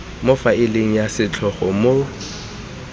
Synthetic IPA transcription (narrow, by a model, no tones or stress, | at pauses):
mʊfaɪleŋ̩jasɪt͡ɬʰɔχɔmʊ